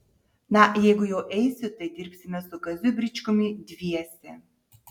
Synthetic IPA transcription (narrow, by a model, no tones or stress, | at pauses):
najɛɡʊjoːʔɛjsʲot̪ɐjd̪ʲiɾpsimʲɛsʊkɐzʲybɾʲit͡ʃkomʲid̪ʲvʲijɛsʲɛ